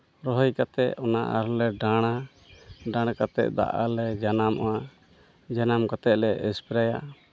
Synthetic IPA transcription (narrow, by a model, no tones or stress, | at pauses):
ɾɔɦɔjkat̪ɛʔɔna̰ʔa̰ɾlɛɖaɽ̃a | ɖaɽ̃kat̪ɛ̰ʔ̪̚d̪a̰ʔa̰lɛd͡ʒanamʔɔ̰a | d͡ʒanamkat̪ɛʔ̪̚lɛɛspɛɾaja